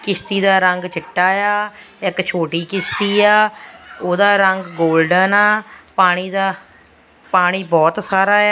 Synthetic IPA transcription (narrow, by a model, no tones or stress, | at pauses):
kɪst̪iːd̪aːɾəŋɡt͡ʃɪʈːaːjaː | ɪkt͡ʃʰoːʈiːkɪst̪iːaːoːd̪aːɾəŋɡɡoːlɖənaːpaːɽ̃iːd̪aː | paːɽ̃iːbɔːt̪saːɾaː